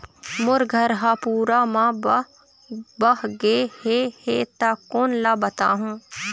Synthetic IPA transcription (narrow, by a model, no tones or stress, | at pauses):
mʊɾɡʱɐɾɦapuːɾamã | bɐɦɡeːhehet̪akoːnlaːbɐt̪a̰ːɦũː